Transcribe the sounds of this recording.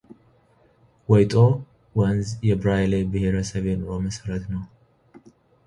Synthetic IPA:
wɔjt̪ʼo | wənzjɛbɾajlebɨheɾəsəβenəɾoməsəɾət̪nəw

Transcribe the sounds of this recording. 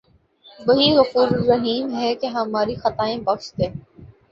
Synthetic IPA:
ʋɐɦiɣɐfuːɾːɐɦiːmɦɛkeɦɐmaːɾixɐt̪aːẽbɐkʃt̪ẽː

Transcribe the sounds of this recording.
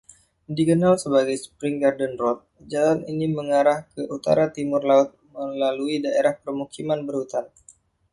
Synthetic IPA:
dikənalsəbaɡajspɾiŋɡardənrɔt̪̚ | d͡ʒalaniniməŋaɾahkəʔut̪a̰ɾat̪imʊrlaʊt̪̚məlaluidaʔeɾahpərmukimanbərhut̪an

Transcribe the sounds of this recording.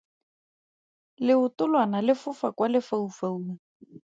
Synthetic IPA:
lɪʊtʊlwanalɪfʊfakwalɪfaufauːŋa

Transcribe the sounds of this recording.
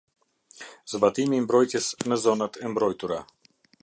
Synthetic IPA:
zbat̪imimbɾɔjt̪ɛsnəzɔnat̪əmbɾɔjt̪uɾa

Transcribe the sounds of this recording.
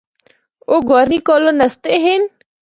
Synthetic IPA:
oːɡɔːɾmiːkoːloːnəst̪eɦɪn

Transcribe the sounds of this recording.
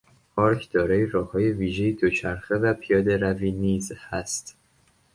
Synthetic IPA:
pʰɒːɾcʰd̪̥ɒːɾɒːjeɾɒːhɒːjeviːʒe̞jed̪ot͡ʃʰæɾxevæpʰijɒːd̪e̞ɾæviːniːzhæst̪

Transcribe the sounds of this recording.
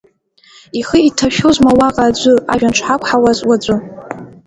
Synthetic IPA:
iχəitʰaʃᶣozmawaqʼaːd͡ʒʷɨa̰ʒᶣanʈ͡ʂʷʰħakʷħawazwad͡ʒʷʼʊ

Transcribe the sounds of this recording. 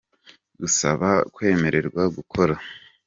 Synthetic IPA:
ɡusa̰βakwe̞ːme̞ɾe̞ɾɡwaɡukʰo̞ɾa

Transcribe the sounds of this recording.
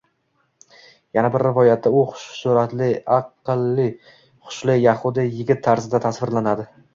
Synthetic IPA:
janabɪɾːɪvɒjat̪̚ʰːaʊχʊ̥ʃsuɾat̪lɪɑqːɨlːɪ | χʊ̥ʃlɪjaχʊd̪ɪjɪɡʲɪt̪ʰːaɾzɪd̪at̪ʰasvɪɾlanad̪ɪ

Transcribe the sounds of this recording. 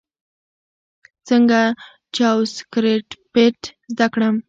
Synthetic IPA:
t͡səŋɡa | t͡ʃɑwskɾeʈpeʈzd̪akɽəm

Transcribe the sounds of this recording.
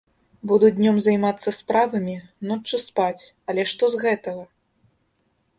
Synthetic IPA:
bud̪udʲnʲɔmzɐjmat̪sːɐspɾavɐmʲinɔt͡ʂɨspat͡sʲ | ɐlʲɛʂt̪ɔzɣɛt̪ɐɣɐ

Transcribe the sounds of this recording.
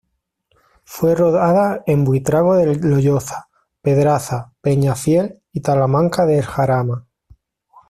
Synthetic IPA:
fwe̞roðaðae̞mbwit̪ɾaɣoðeloʎoθḁ | pe̞ðɾaθape̞ɲafje̞l | it̪alamãŋkaðeːlxaɾama

